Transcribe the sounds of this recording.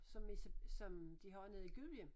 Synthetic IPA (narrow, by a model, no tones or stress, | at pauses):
sɒ̽missɒ̽md̥iɦɒɪnəð̩ˠiɡ̥yl̥jəm